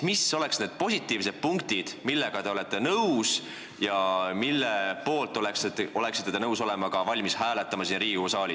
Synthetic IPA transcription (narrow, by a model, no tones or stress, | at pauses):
miso̞le̞ksne̞ːd̪̥̚po̞sit̪ːˑiːvse̞d̪̥̚puŋkt̪id̪̥milːe̞ɡ̥ɑt̪e̞o̞le̞t̪ˑːe̞nɤws | jɑmilːepo̞ːlt̪ˑːo̞le̞kso̞leksit̪ːed̪enɤwso̞le̞mɑɡ̥ɑvɑlʲmishæːlet̪ːˑɑmɑsiːnriːɡusɑːli